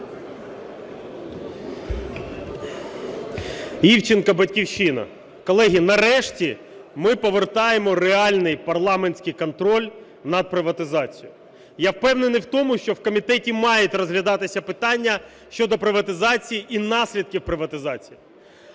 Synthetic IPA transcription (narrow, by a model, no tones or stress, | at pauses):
iwt͡ʃɪnkɐbɐtʲkʲiwʃinɐ̰ | kɔlˠɛɦʲinɐɾɛʃtʲi | mɪpɔʋert̪ɑjemɔɾeɑlʲnɪjpɐrlˠɑmenʲsʲkɪjkɔnt̪ɾɔlʲ | nɐd̪̚pɾɪʋɐt̪ɪzɑt͡sʲijʊ | jawpɛwnenɪjwt̪ɔmʊʃt͡ʃɔwkɔmʲit̪ɛtʲimɑjetʲrɔzɦlʲɐd̪ɑt̪ɪsʲɐpɪt̪ɑnʲːɐ | ʃt͡ʃɔd̪ɔpɾɪʋɐt̪ɪzɑt͡sʲijiʔinɑsʲlʲid̪̚kʲiwpɾɪʋɐt̪ɪzɑt͡sʲiji